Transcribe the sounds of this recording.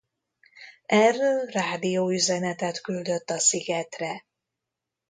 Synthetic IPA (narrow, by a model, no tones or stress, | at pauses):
ɛrːøːraːd̪ijoːyzɛnɛt̪ɛt̪kyld̪ø̞t̪ːɒsiɡɛt̪rɛ